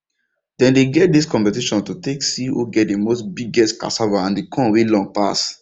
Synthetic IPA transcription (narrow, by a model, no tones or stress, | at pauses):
d̥ɛ̃ndeɡɛt̚diskɔ̃mpɛtiʃɔ̃ntuteksiwo̰ɡɛt̚demosbiɡɛstka̰savaãndekʰɔ̃nwelɔ̃ŋpas